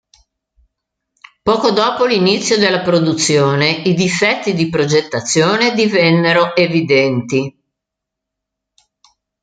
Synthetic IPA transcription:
pɔːkod̪ɔːpolinit̪sːjod̪elːapɾod̪ut̪sːjoːneid̪ifɛt̪ːid̪ipɾod͡ʒet̪ːat̪sːjoːned̪ivɛnːeɾoʔevid̪ɛnt̪i

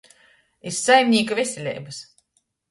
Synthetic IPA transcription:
iɾsajmʲnʲiːkavʲɛsʲelʲɛ̰jbɨs

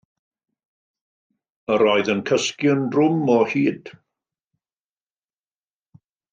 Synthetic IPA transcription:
əɾɔɨðənkʰəskjəndrʊmɔhiːd̥

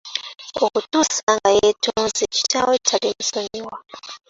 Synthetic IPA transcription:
okutusaŋɡajetʰozit͡ʃi̥tawetʰalimusoɲiwa

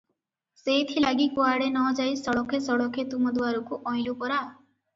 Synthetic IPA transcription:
sejt̪ʰilaɡikuaɽenɔd͡ʒajsɔɽɔkʰesɔɽɔkʰet̪umɔd̪waɾɔkuʔɔj̃lupɔɾa

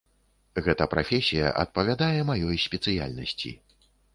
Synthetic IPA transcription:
ɣɛt̪ɐpɾafʲɛsʲijɐ̰ʔɐ̰t̪̚pɐvʲad̪ajɛmajɔjsʲpʲɛt̪sɨja̰lʲnɐsʲt͡sʲḭ

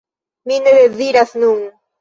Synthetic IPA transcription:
minəðeðiɾasnuŋ

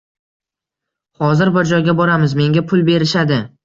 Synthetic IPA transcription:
hɒzɪɾbʊɾd͡ʒɒjɡʲabɒɾamɪzme̞ŋɡʲapʰʊlˠbe̞ɾɪʃad̪ɪ

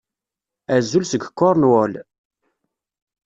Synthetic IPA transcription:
æzːulsəɡkːʊɾˤnwol

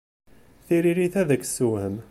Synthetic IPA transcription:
θiɾiɾiθæðəkːsːuwhəm

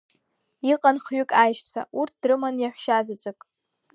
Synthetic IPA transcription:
iqʼanχɥʏkʼajʃt͡sʷʰa̰urt̚ʰd̥rɨmanjaħʷʃazat͡ɕʷʼakʼ

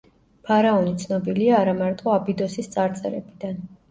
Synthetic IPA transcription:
pʰaɾaɔnit̪sʰnɔbiliaːɾamaɾt̪ʼɔabid̪ɔsist̪sʼaɾt̪sʼɛ̰ɾɛ̰bid̪an

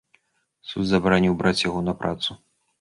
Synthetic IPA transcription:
sṵd̪zɐbɐɾanʲiwbɾat͡sʲjaɣɔnɐpɾʔa̰t̪su

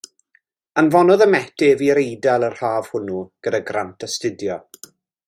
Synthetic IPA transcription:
ənvɔnɔðəmɛtɛviɾejdalˠər̥haːv̥hʊnuɡ̥ədaɡrantʰəstɪdjɔ

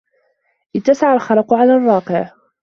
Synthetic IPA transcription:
ʔɪt̪ːasaʕalxɑɾɑqʕalaːrˤːɑːqɪʕ

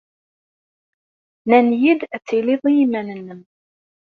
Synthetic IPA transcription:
nænjid̪æt͡sːiliðˤijimænənːəm

